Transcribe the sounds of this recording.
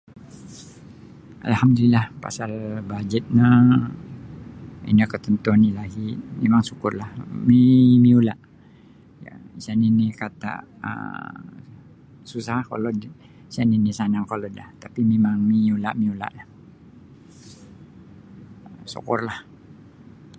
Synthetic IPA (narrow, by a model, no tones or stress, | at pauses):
ʔa̰lhamd̪ulilahpa̰salbad͡ʒət̪̚na | ḭnəkət̪ənt̪uanilaɡimemaŋsukʊrlahmimiulaʔ | ja̰isaninikat̪a̰ʔ | ə̰ | susakalo | isaninisanaŋkalodlaht̪apimemaŋmiula̰ʔmiula̰ʔlah | sṵkʊrlah